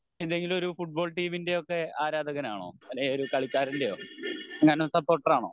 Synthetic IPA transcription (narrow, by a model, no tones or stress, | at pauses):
end̪e̞ŋɡilo̞ɾufuʈ̚bo̞ːɭʈiːminde̞o̞kːe̞aːɾaːd̪ʱɐɣɐnaːɳo̞̰ːɐleoɾukɐɭikʲːaːɾindejoːŋːɐnesɐpːo̞ːrʈːɐraːɳo̰ː